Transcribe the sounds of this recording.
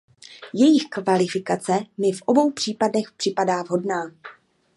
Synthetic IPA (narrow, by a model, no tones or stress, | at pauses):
jɛjɪxkvalɪfɪkat͡sɛmɪfʔo̞bo̞wpr̝̥iːpadnɛxpr̥ɪpadaːvɦo̞dnaː